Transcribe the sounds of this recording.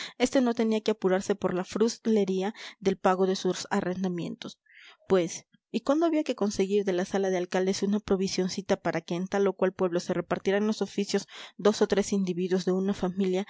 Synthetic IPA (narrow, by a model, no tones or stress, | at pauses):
e̞st̪e̞no̞t̪e̞niake̞apuɾaɾse̞po̞ɾlafɾusle̞ɾiaðe̞lpaɣo̞ðe̞susa̰re̞nd̪amje̞̰nt̪o̞s | pwe̞s | ikwand̪o̞aβiake̞ko̞nse̞ɣiɾðe̞lasalaðe̞alkald̪e̞sunapɾo̞βisjo̞nsit̪apaɾake̞ːnt̪alo̞kwalpwe̞β̞lo̞sere̞paɾt̪iɾaenlo̞so̞fisjo̞z̥d̪o̞so̞t̪ɾe̞sind̪iβiðwo̞zðe̞unafamilja